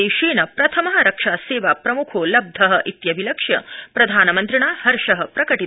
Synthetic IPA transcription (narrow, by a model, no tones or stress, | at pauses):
eʃeːnɐpɾɐt̪ʰɐmɐɦɐɾɐkʂaːseːʋaːpɾɐmukʰoːlɐb̚d̪ʱɐɦɐ̆ʔit̪jɐʋilɐkʂjɐ̰pɾɐd̪ʱaːnɐmɐnt̪ɾiɳaːhɐɾʂɐɦɐpɾɐkɐʈi